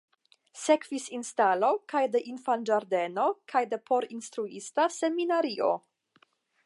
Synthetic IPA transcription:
sekv̥isinstalo̞kajde̞ʔinfand͡ʒaɾde̞no̞kʰajde̞pʰo̞ɾinst̪ɾuḭstase̞minaɾiʔo̞̰

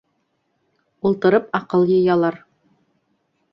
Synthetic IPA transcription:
ulˠt̪ɤ̆ɾɤpɑqɤlˠjɤ̆jɑlˠɑɾ

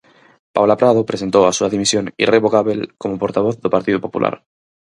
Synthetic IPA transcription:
paβlapɾaðopɾese̞nt̪oasuaðimisjonḭreβokaβelkomopoɾt̪aβ̞oθðopaɾt̪iðopo̞pṵlʔa̰ɾ

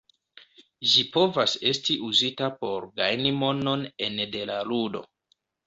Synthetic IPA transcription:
ʒipo̞vase̞stiʔuzitapo̞ɾɡajnimo̞no̞ne̞nde̞laludo̞̰

